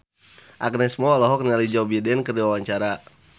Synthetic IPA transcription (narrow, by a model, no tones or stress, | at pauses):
ʔak̚nɛsmɔlɔɦɔk̚nialid͡ʒɔbidɛnkərdiwawaɲt͡ʃaɾa